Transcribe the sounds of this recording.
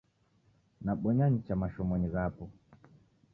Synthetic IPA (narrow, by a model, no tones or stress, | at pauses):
naɓɔɲaɲit͡ʃamaʃɔmɔɲizapɔ